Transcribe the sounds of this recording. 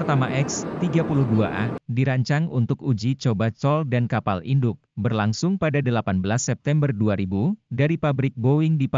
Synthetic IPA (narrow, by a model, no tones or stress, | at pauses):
ərt̪amaʔɛkst̪iɡapulʊhdua̰ʔadiɾaɲt͡ʃaŋunt̪ʊkud͡ʒit͡ʃobat͡ʃɔldankapalindʊk̚bərlaŋsʊŋpadadəlapanbəlasːɛp̚t̪ɛmbərduaɾibudaɾipabɾɪk̚bowɪŋdip